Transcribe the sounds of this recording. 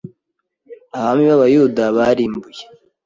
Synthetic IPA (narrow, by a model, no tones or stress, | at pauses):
aβamiβaβajudaβaɾiːmbuje